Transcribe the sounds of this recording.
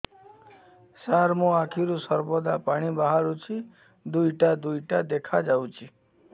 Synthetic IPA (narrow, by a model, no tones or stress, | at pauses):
saɾmoakʰiɾũsəɾbɔd̪apaɽ̃ibaɦaɾut͡ʃʰi | d̪ujʈad̪ujʈad̪ekʰad͡ʒawt͡ʃʰi